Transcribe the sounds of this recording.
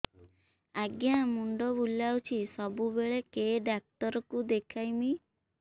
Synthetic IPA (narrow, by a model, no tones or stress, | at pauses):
aɡjamuɳɖɔbulːawt͡ʃʰisɔbubeɭekeɖak̚t̪ɔɾɔkud̪ekʰajmi